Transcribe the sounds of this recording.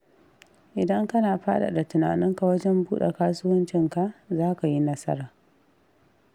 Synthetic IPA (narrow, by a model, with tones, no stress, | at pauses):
ʔɪ˨dɐ˦ŋkɐ˦naː˨ɸaː˦ɗa̰˨da˨tʊ˨na̰ː˨nɪ˦ŋka˨wɐ˦d͡ʒɛ˦mbuː˦ɗḛ˨kaː˦sʊ˦wɐ˦nt͡ʃɪ˦ŋka˨ʔzaː˦ka˨ji˦nɐ˦sɐ̰˦ɾaː˨